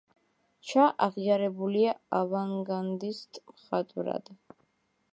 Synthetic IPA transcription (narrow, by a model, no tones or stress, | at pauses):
t͡ʃʰaʔaʁiaɾɛbuliaavaŋɡand̪ist̪ʼmχat̪ʼɾa̰d̪̥